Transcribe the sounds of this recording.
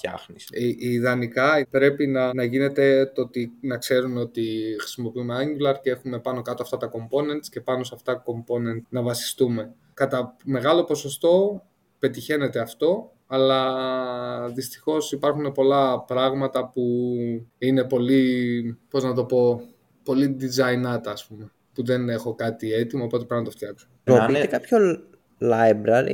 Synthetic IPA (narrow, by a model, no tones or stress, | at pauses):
ɐ̰xnisʔiðɐnikɐpɾe̞pinɐnɐʝine̞t̪e̞t̪oot̪inɐkse̞ɾuno̞t̪ixɾi̥simo̞piume̞ɐɲɟulɐɾcee̞xume̞pɐno̞kɐt̪oɐft̪ɐt̪ɐko̞mpo̞ne̞nt̪sce̞pɐnosɐft̪ɐko̞mpo̞ne̞nt̪nɐvɐsi̥st̪ume̞ | kɐt̪ɐme̞ɣɐlo̞po̞so̞st̪o̞ | pe̞t̪içe̞ne̞t̪e̞ɐft̪o̞ | ɐlɐ | ðist̪i̥xo̞sipɐɾxunepo̞lɐpɾɐɣmɐt̪ɐpu | ine̞po̞lipo̞znɐt̪o̞po̞ | po̞lid̪izɐinɐt̪ɐːspume | puðe̞ne̞xo̞kɐt̪ie̞t̪imɐoːpo̞t̪epɾinɐt̪oft̪jɐksooit̪ekɐpço | lɐjbɾɐɾḭ